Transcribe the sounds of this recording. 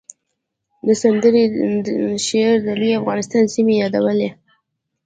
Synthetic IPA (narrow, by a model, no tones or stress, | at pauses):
d̪əsand̪əɾi | ʃeɾd̪aliafɣɑnɪst̪ɑnsimejɑd̪awəle